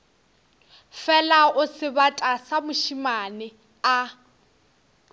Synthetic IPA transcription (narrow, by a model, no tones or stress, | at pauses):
fɛlaʊsɪbatʼasamʊʃimanɪ | a